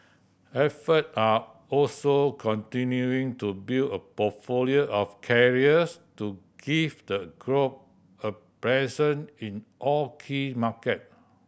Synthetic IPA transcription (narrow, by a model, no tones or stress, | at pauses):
ɛfəta | ɔlsokʰɔ̃ntĩnjuĩŋtubiləpɔtfolioʔɔfkʰɛɹiəstuɡ̥ivdəɡɹop̚ | əpɹɛzə̃nĩnʔɔkʰimakət̚